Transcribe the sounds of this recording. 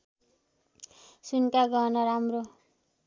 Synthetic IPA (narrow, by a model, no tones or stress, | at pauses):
sunkaɡʌnʌɾamro